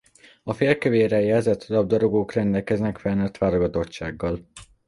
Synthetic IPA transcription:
ɒfeːlkøveːɾɛjɛlzɛt̪ʰɒlɒb̚d̪ɒɾo̞ɡoːkrɛnd̪ɛlkɛznɛkfɛnøt̪ʋaːɾoɡɒt̪o̞t͡ʃːaːɡːɒl

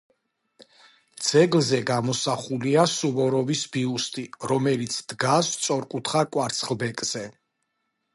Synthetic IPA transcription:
d̪z̥ɛɡlzɛɡamɔsaχuliasuvɔɾɔvisbiust̪ʼiɾɔmɛlit̪sʰd̪̥ɡast̪sʼɔɾkʼut̪ʰχakʼwaɾt̪sʰχlˠbɛkʼz̥ɛ

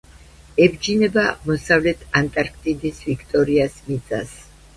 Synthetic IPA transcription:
ɛbd͡ʒinɛbaːmɔsavlɛt̪ʰant̪ʼaɾk̚ʰt̪ʼid̪isvikʰt̪ʼɔɾiasmit̪sʼa̰s

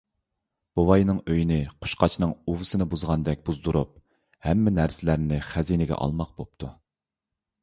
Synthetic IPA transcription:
b̥owɑjnɨŋøjinɪqʰo̥ʃqɑt͡ʃʰnɨŋuvɨsɨnɨbuzʁɑnd̪ɛk̚ʲbuzd̪uɾṵp̚ | hɛmːɛnæɾsɪlæɾnɪχæzinɪɡʲɛ̰ʔɑ̰lˠmɑq̚bop̚t̪ʰu

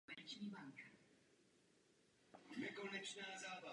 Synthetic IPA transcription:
ɛɾɪt͡ʃɲiːbaŋka | mɛkonɛt͡ʃnaːzaːva

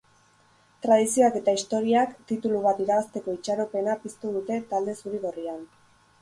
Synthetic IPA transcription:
t̪ɾað̞isio̞ake̞t̪aist̪o̞ɾiakt̪it̪uluβ̞at̪iɾaβast̪e̞ko̞it͡ʃaɾope̞napist̪uðut̪e̞t̪ald̪e̞suɾiɣ̞o̞rian

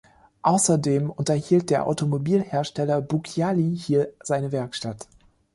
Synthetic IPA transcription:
ʔaʊsɐdeːmʊntɐhiːlt̚d̥eːɐʔa̰ʊtomobiːlheːɐʃtɛlɐbukʰjalihiːɐz̥aɪnəvɛɐkʃtat

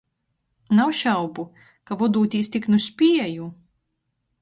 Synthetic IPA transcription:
nawʃawbu | kavɔd̪uːt̪ʲiːst̪ʲiknusʲpʲiɛju

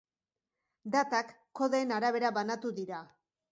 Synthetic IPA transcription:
d̪at̪akːo̞ðeenaɾaβ̞e̞ɾaβanat̪uðiɾa

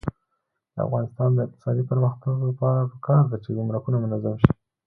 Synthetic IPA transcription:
d̪əa̰fɣɑnɪst̪ɑnd̪əɪq̚t̪ɪ̥sɑd̪ipəɾməxt̪aɡlapɑɾapəkɑɾd̪at͡ʃeɡumɾakunamʊnazamʃi̥

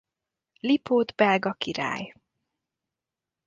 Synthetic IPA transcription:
lipʰoːd̪bɛlɡɒkiɾa̰ːj

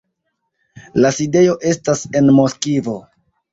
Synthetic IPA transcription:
laside̞jo̞ʔe̞stase̞nmo̞skivo̞

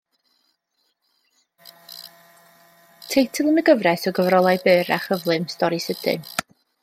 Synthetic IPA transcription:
tʰejtʰəlˠənəɡəvrɛsɔɡəvɾɔlˠajbɨːɾa̰χəvlˠɨmstɔɾisəd̥ɨ̰

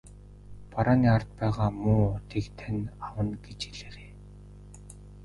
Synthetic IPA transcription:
paɾaːniːart̪̚pæːʁaːmuːʊt̪ʰiːkt̪ʰænʲawə̆nɡet͡ɕeɮeːreː

